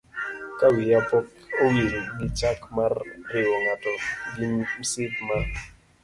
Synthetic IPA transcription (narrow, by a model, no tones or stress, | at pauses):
kawɪjapɔkowiɾiɡɪt͡ʃakmarɾɪwɔŋatɔɡisɪtma